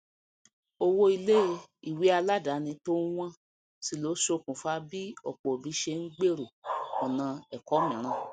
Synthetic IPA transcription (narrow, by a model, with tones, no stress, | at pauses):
o˧wo˧i˧le˦˧i˨wi˨˦a˧la˦da˨˦nĩ˧to˦w̃ã˦ | si˦˨lo˨˦ʃo˧˨kũ˨fa˧˦bi˦ɔ˨k͡pɔ˨bi˨˦ʃe˧ŋ̩˦ɡ͡be˦ɾo˨ɔ˨nã˧ɛ˨kɔ˨˦mĩ˨ɾ̃ã˧˨